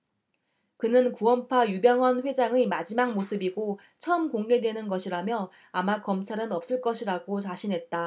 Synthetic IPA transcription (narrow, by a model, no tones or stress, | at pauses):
kɯnɯnkuwʌmpʰajubjʌŋɦʌnɸwe̞d͡ʑaŋɯmad͡ʑimaŋmosʰɯbiɡo | t͡ɕʰʌɯmkoŋɡe̞dwe̞nɯnɡʌɕʰiɾamjʌ | amakʌmt͡ɕʰaɾɯnʌp̚s͈ɯɭk͈ʌɕʰiɾaɡot͡ɕaɕʰinɦe̞t̚t͈a